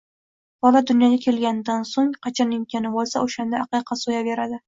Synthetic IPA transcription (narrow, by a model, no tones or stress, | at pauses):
bɒlad̪ʊnjɒɡʲakʲʰe̞lɡʲanɪd̪ansoŋqʰɑt͡ʃʰɒnɪŋkʲʰanɪbolˠsaʔoʃand̪aːqɨqʰɑsojabe̞ɾad̪ɪ